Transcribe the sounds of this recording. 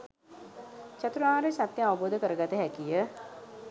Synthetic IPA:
t͡ʃat̪uɾaːɾesat̪jəaʋəboːd̪əkəɾəɡat̪əɦɛkijə

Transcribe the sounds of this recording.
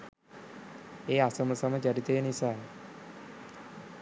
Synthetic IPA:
eːasəmɐsɐmɐt͡ʃɐɾit̪ejənisaː

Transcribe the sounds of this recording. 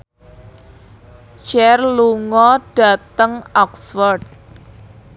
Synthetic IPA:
t͡ʃɛrluŋɔɖ̥a̤t̪əŋɔksfərd̚

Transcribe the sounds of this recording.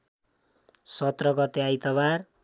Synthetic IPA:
sʌt̪rʌɡʌt̪eajt̪ʌbar

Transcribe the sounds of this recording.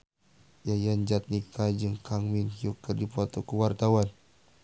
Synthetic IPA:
jajand͡ʒat̪̚nikʰad͡ʒɨŋkʰaŋminjukːərdipɔt̪ɔkuwart̪awan

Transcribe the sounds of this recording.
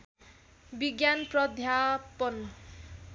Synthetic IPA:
biɡjanprʌd̪ʱjapʌn

